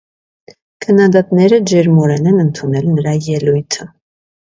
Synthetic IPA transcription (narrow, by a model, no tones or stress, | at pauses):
kʰənːɑd̪ɑt̪nɛɾəd͡ʒɛɾmɔɾɛnɛnənt̪ʰunɛlnəɾɑjɛlujt̪ʰə